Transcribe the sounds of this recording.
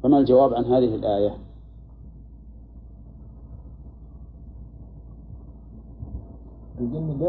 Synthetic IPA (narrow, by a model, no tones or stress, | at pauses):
famald͡ʒawaːbʕanɦaːðɪhɪlʔaːja | ʔalɡɪnːd̪